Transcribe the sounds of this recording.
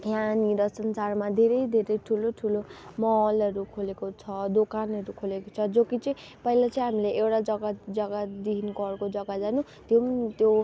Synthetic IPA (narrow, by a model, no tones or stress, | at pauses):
janiɾʌsʌnt͡sarmad̪ʱeɾʌjd̪ʱeɾʌjʈʰuloʈʰulomʌɦlʌɾukʰolekot͡sʰʌd̪okanʌɾukʰolekot͡sʰʌd͡zokit͡sʌĩ | pʌilat͡sʌĩɦamileʔewʈad͡zʌɡad͡zʌɡad̪iɦinkʌrkod͡zʌɡad͡zanu | t̪jomt̪jo